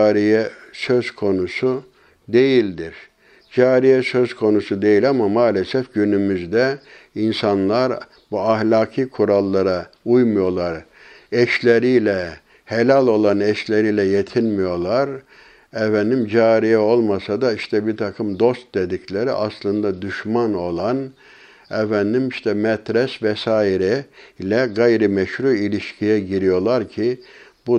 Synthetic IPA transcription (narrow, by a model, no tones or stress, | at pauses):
ɾijɛsø̞z̥kʰo̞nusu | d̪e̞jilʲd̪iɾ̥ | d͡ʒaːɾijɛsø̞zkʰo̞nusud̪e̞jilʲamamaːlʲesɛfɟynymyzd̪ɛ | insanlˠaɾ | buahlʲaːkʰɯːkʰuɾalˠːaɾa | ujmujo̞lˠaɾ | ɛʃlʲeɾijlʲɛ | helʲælʲo̞lˠanɛʃlʲeɾijlʲɛjet̪ʰinmijo̞lˠaɾ | ɛfænd̪imd͡ʒaːɾijɛo̞lˠmasad̪aiʃt̪ʰɛbiɾt̪ʰakʰɯmd̪o̞st̪̚d̪ed̪icʰlʲe̞ɾḭʔaslˠɯnd̪ad̪yʃmano̞lˠan | ɛfænd̪imiʃt̪ʰɛmɛt̪ʰɾɛsvɛsaːiɾɛlʲɛɡajɾimɛʃɾuːilʲiʃcʰijɛɟiɾijo̞lˠaɾcʰɪbu